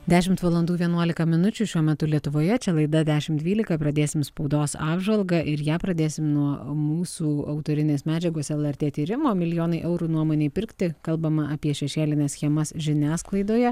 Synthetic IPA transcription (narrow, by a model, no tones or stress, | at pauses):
d̪ʲæːʃʲɪmt̪ʋɐlˠɐnd̪uːʋʲiɛnuɔlʲɪkɐmʲɪnʊt͡ʃʲuːʃʲuɔmʲɛt̪ʊlʲiɛt̪ʊʋoːjɛt͡ʃʲɛlˠɐɪd̪ɐd̪ʲæːʃʲɪmtd̪ʲʋʲiːlʲɪkɐpɾɐd̪ʲeːsʲɪmspɐʊd̪oːsɑːbʒɐlˠɡɐʔɪɾjæːpɾɐd̪ʲeːsʲɪmnuɔmuːsuːɐʊt̪oːɾʲɪnʲeːsmʲæːd͡ʒʲɛɡoːsɛlˠɛɾʲt̪ʲeːt̪ʲiːɾʲɪmoːmʲɪlʲɪjoːnɐɪʔɛʊɾuːnuɔmoːnʲeɪpʲɪɾʲkt̪ʲɪkɐlˠbɐmɐɐpʲiɛʃʲɛʃʲeːlʲɪnʲɛsxʲɛmɐsʒʲɪnʲæːsklˠɐɪd̪oːjɛ